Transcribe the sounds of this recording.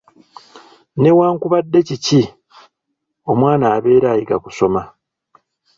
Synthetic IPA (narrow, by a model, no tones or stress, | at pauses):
ne̞waːŋkuβadːe̞cici | o̞mwaːnaːβe̞ːɾaːjiɡa̰ku̥so̞ma